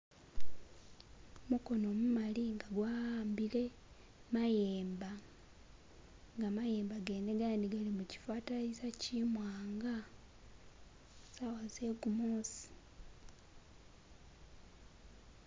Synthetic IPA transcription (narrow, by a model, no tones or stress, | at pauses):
muko̞no̞mumaliŋɡaɡwaaːmbile̞ | majeːmba | ŋɡamaje̞ːmbaɡe̞neɡaːndiɡalimuci̥fwaːtaisacimwaːŋɡa | sawazeɡumoːsi̥